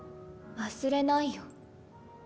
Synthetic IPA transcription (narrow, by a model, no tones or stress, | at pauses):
βasɨɾe̞naijo